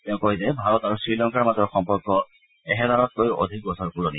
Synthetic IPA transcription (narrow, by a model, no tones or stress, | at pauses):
tɛʊ̃koɦizɛbʱaɹɔtaɹusɹilɔŋkaɹmazɔɹxɔmpɔɹkːɔ | ɛɦɛzaɹɔt̚kojʔo̰dʱik̚bɔsɔɹpuɹɔnḭ